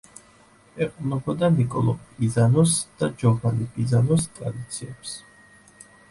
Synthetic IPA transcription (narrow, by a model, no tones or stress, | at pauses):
ɛqʼnɔbɔd̪anikʼɔ̰lˠɔ̰pizanɔsd̪̥ad͡ʒɔvanikʼizanɔst̪ʼɾa̰d̪it̪sʰiɛps